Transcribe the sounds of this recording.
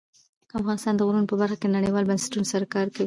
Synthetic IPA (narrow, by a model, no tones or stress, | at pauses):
k̪əafɣɑnɪst̪ɑnd̪əɣɾunopəbaɾxaked̪ənaɽəjwɑlbansɪ̥tunsaɾakɑɾkawi